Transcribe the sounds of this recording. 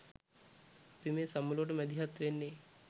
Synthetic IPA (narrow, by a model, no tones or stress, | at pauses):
apimeːsamuloʋəʈ̬əmɛd̪iɦat̪ɾenːe